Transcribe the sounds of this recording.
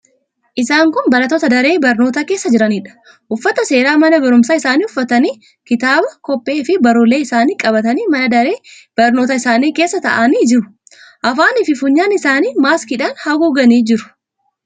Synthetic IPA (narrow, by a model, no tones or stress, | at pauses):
ʔɪsaːŋkʊnbɐɾɐt̪ːoːt̪ɐd̪ɐɾe̞ːbɐɾnoːt̪akeːsːɐd͡ʒɪɾɐniːᶑɐ̥ | ʔʊfːɐt̪ɐse̞ːɾaːmɐnɐbɐɾʊmsaːɪsaːniːʊfːɐt̪ɐniː | kɪt̪aːbɐkɔpʼːe̞ːfɪbɐɾʊleːɪsaːniːkʼɐbɐt̪ɐniːmɐnɐd̪ɐɾe̞ːb̥ɐɾnoːt̪ɐɪsaːniːke̞ːsːɐt̪ɐ̰ʔaniːd͡ʒɪɾʊ | ʔɐfaːnɪfɪfʊɲːaːnɪsaːniːmaːskɪᶑaːnhɐɡuːɡɐniːd͡ʒɪɾʊ̥